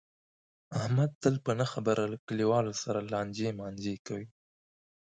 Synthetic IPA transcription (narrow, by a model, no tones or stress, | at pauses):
ahmad̪̚t̪əlpənəxabəɾʔalakəliwɑlosaɾalɑnd͡ʒemɑnd͡ʒekawi